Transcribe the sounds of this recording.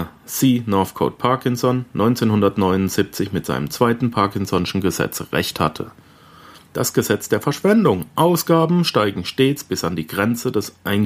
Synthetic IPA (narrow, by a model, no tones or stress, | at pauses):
siːnɔɐfkʰo̰ːt̚pʰaɐkɪnsɔnːɔʏnt͡seːnhʊndɐtnɔʏnʊnz̥ip̚t͡sɪçmɪtz̥a̰ɪnəmt͡sv̥aɪtn̩pʰaɐkɪnsɔnɪʃn̩ɡəzɛ̰t͡sʁɛ̰çtha̰tʰə̰ | d̥asɡ̥əzɛt͡sd̥eːɐfɛɐʃv̥ɛndʊŋʔaʊsɡ̥aːbm̩ʃtaɪɡŋ̩ʃteːt͡sb̥ɪsandiːɡʁɛnt͡sədɛsʔaɪn